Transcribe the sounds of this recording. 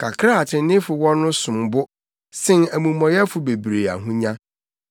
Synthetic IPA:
kʰa˨kʰɾa˦a˨tʰɪ˨˦nɪ̃˦fʊ˨wɔ̃˦nʊ̃˦sʊ̃˨mbʊ˦ | sɪ̃˦næ˨mũ˨mɔ̃˨jɛ˦fʊ˨be˨bɾe˨a̰˨ɦũ˦ɲã˦

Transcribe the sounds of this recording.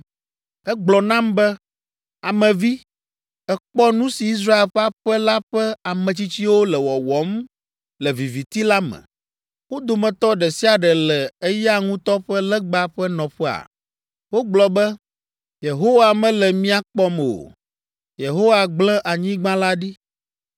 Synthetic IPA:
ɛ˦ɡ͡blɔ˨nã˦mbɛ˦ | a˨mɛ̃˨vi˦ | ɛ˨k͡pɔ˦nũ˦si˨i˦s̬ɾa˦e˨lɸɛ˦a˦ɸɛ˦la˦ɸɛ˦a˨mɛ̃˨t͡ɕi˦t͡ɕi˦wo˦lɛ˨wɔ˨wɔ˨˦m | lɛ˨vi˨vi˨t̪i˦la˦mɛ̰̃˨ | wo˦d̪o˨mɛ̃˨t̪ɔ˦ɖɛ˨si˦a˨ɖɛ˨lɛ˨e˦ja˦ŋũ˦t̪ɔ˦ɸɛ˦lɛ˦ɡ͡ba˨ɸɛ˦nɔ̃˨ɸɛ˦a̰˨ | wo˦ɡ͡blɔ˨bɛ˦ | je˨ɦo˦wa˨mɛ̃˦lɛ˨mĩ˦a˨k͡pɔ˦m˨o̰˨ | je˨ɦo˦wa˨ɡ͡blɛ̃˦ʔa˨ɲĩ˦ɡ͡bã˦la˦ɖi˦

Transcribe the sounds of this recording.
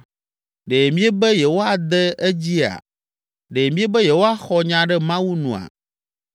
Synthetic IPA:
ɖe˨mĩ˦ɛ˦bɛ˦jɛ˨wo˦a˨d̪ɛ˦ɛ˦d͡ʑi˦a̰˨ | ɖe˨mĩ˦e˦bɛ˦jɛ˨wo˦a˦xɔ˦ɲã˨ɖɛ˦mã˦wu˦nṵ̃˨a̰˨

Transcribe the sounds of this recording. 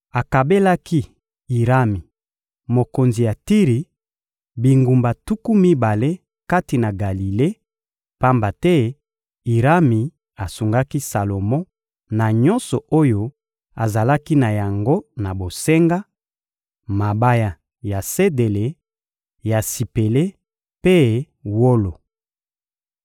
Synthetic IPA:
a˨ka˨be˦la˦ki˦ | i˨ʁa˦mi˨ | mo˨ko˨nzi˨ja˨ti˦ʁi˨ | bi˨ŋɡu˨mba˨tu˦ku˦mi˦ba˨le˦ | ka˦ti˨na˨ɡa˨li˨le˦ | pa˦mba˨tɛ˦ | i˨ʁa˦mi˨ | a˨su˨ŋɡa˦ki˦sa˨lo˨mɔ̃˦ | na˨ɲɔ˦nsɔ˨o˦jo˦ | a˨za˨la˦ki˦na˨ja˨ŋɡo˦na˨bo˨se˦ŋɡa˦ | ma˨ba˦ja˨ | ja˨se˦de˨le˨ | ja˨si˨pe˨le˦ | pe˦ | wo˦lo˨

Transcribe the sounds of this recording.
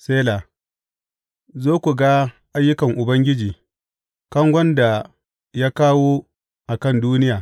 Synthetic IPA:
seː˦laː˨ | zoː˦kʷu˨ɡa˦ | ʔa˦jːʊ˦kɐ˨ŋʔʊ˨bɐ˦ŋɡʲɪ˦d͡ʒiː˨ | kɐ˦ŋɡʷɐ˦nda˨ | jaː˦kaː˦woː˦ | ʔa˨kɐ˦˨nduː˦nɪ˦jaː˨

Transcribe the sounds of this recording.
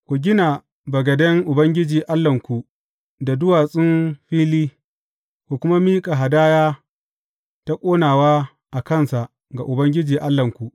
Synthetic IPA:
kʷu˨ɡʲɪ˦na˨ | bɐ˨ɡɐ˨dɛ˦ŋʔʊ˨bɐ˦ŋɡʲɪ˦d͡ʒiː˨ʔa˦lːɐ˨ŋkʷu˨ | da˨dʊ˦waː˨sʼɪ˦nɸiː˦liː˦ | kʷu˨kʷʊ˦ma˦miː˦kʼa˨ɦa˨daː˦jaː˦ | ta˦kʷʼoː˦naː˨waː˦ | ʔa˨kɐ˦˨nsa˨ʔ | ɡa˨ʔʊ˨bɐ˦ŋɡʲɪ˦d͡ʒiː˨ʔa˦lːɐ˨ŋkʷu˨ʔ

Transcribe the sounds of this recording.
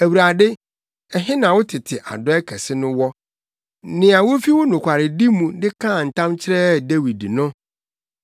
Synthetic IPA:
æ˨wu˨ɾa˨dɪ˦ | ɛ˨ɦɪ̃˦nã˨wʊ˦tʰɪ˨tʰɪ˨ʔa̰˨dɔ˦ɛ˦kʰɛ˨sɪ˦nʊ̃˦wɔ˦ | nɪ̃˨a˨wʊ˦fi˦wʊ˦nʊ̃˨kʷʰa˨ɾɪ˨di˦mũ˨dɪ˦kʰã˦˨n̩˨tʰã˦mt͡ɕʰɪ˦ɾɛ˦de˦wi˨dnʊ̃˦

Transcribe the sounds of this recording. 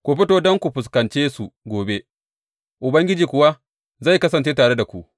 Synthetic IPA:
kʷu˨ɸɪ˦toː˦dɔ˦ŋkʷu˨ɸʊ˨s̬kɐ˨nt͡ʃeː˦su˨ɡʷoː˨be˦ | ʔʊ˨bɐ˦ŋɡʲɪ˦d͡ʒiː˨kʷʊ˨wa˦ | za˦˨jkɐ˦sɐ˨nt͡ʃeː˦t̬aː˨ɽe˦da˨kʷu˨ʔ

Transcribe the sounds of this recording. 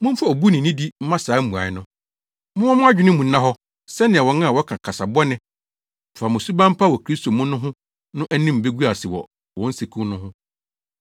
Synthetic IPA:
mʊ̃˦fa˦o˨bu˦nɪ̃˨nĩ˦di˦m̩˦mã˦saː˨˦m̩˦ũ˨a̰˨ɪ˦nʊ̃˦ | mʊ̃˦wɔ̃˦mʊ̃˦a˦d͡ʑᶣɪ˦nɪ̃˦mũ˨˦nã˦ɦɔ˦ | sɛ˦nɪ̃˨ɛ˨wɔ̃˨nã˦a˨wɔ˦kʰã˨kʰa˨sa˨bɔ˦nɪ̃˦ | m̩˨fa˨mʊ̃˨su˦bã˦m̩˦pʰa˦wɔ˨kʰɾi˦stʰo˨mʊ̃˦nʊ̃˦ɦʊ̃˦ | nʊ̃˦ʔɛ˦nɪ̃˦m̩˨be˦ɡu˦a˨sɪ˨wɔ˨ | wɔ̃˨˦n̩˦se˨kʰũ˦nʊ̃˦ɦʊ̃˦

